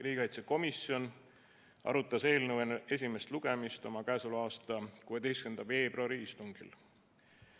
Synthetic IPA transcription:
riːkeɑjt̪seko̞misio̞n | ʔɑ̰ɾut̪ːˑɑse̞ːlnəwene̞s̬ʲime̞st̪luɡ̥e̞mist̪o̞mɑkæesuluɑːst̪ɑkuːe̞d̪e̞jstkend̪̥ɑve̞ːbroɑɾiist̪uŋɡ̥ḭl

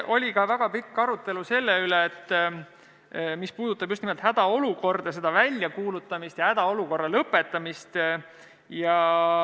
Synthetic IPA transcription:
ʔo̞lʲikɑvæɡ̥ɑpikːɑɾut̪ːˑe̞luse̞lːeyleːt̪ː | mispuːd̪̥ut̪ːˑɑb̥just̪nimolt̪hæd̪̥ɑo̞luko̞rd̪̥ɑse̞d̪̥ɑvælʲjɑkuːlut̪ːˑɑmist̪jɑhæd̪̥ɑo̞luko̞rːɑlɤpːˑe̞t̪ːˑɑmist̪ | jɑ

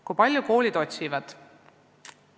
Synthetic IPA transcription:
kujpɑlʲjuko̞ːlʲid̪̥o̞t̪ʲsivɑd̪̥

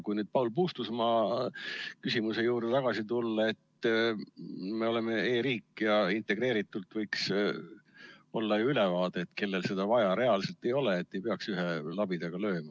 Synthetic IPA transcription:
kujnyːd̪̥̚pɑwlpuːst̪usmɑ | kysimuse̞juːɾd̪et̪ɑɡ̥ɑsit̪ulːɑe̞t̪ː | me̞o̞le̞me̞eːɾiːkːˑjɑint̪ˑe̞ɡ̥re̞ːɾit̪ːˑult̪vɤjks | o̞lːɑjuyle̞vɑːd̪̥e̞ːt̪ke̞lːe̞lse̞d̪ɑvɑjɑɾe̞ɑlse̞lt̪e̞jo̞leːt̪ːe̞jpe̞ɑksyɦelɑbid̪ɑɡ̥ɑlø̞ːmɑ

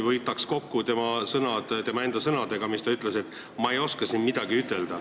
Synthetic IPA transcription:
vɤjt̪ːˑɑksko̞kːut̪e̞mɑsɤnɑd̪̥t̪e̞mɑe̞nd̪̥ɑsɤnɑd̪e̞ɡ̥ɑmist̪ɑyt̪ːˑle̞se̞t̪ːˑ | mɑe̞jo̞skɑsinmid̪̥ɑɡiyt̪ːˑe̞ld̪̥ɑ

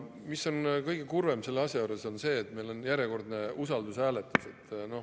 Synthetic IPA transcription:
miso̞nkɤjɡe̞kurve̞mse̞lːeɑsʲjɑjuːɾe̞so̞nse̞ːt̪ːˑme̞jlo̞njæɾʲje̞ko̞rd̪ne̞usɑld̪usæːle̞t̪ːˑuse̞t̪ːˑno̞

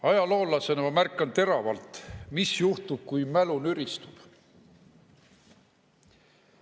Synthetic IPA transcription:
ɑjɑlo̞ːlːɑsenemærkˑːɑnt̪e̞ɾɑvɑlt̪misjuht̪ub̥̚kujmælunyɾist̪ub̥

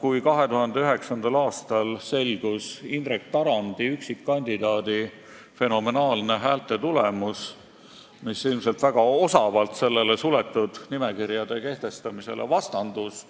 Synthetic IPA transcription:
kujkɑɦe̞t̪uɦɑnd̪e̞yɦe̞ksɑnd̪̥ɑlɑːst̪ɑlse̞lɡ̥usind̪rek̚t̪ɑɾɑnd̪̥iyksikːɑnʲd̪̥id̪ɑːd̪̥i | fe̞no̞me̞nɑːlne̞ɦæːlt̪ːˑe̞t̪ulemus | misilmselt̪væɡ̥ɑo̞sɑvɑlt̪se̞lːe̞le̞sule̞t̪ːˑud̪̥nime̞kiɾjɑd̪̥e̞ke̞ht̪e̞st̪ɑmise̞̰le̞̰vɑst̪ɑnd̪̥us

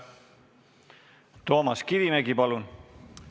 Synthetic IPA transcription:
t̪o̞ːmɑskivimæɡipɑlun

